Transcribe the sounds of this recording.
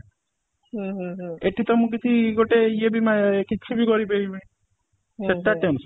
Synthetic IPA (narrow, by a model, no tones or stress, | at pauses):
eʈʰːit̪ɔmũk̬it͡ʃʰiɡoʈeiebʱimakiːibʱikɔɾibeimi | t͡ʃʰeʈːaʈems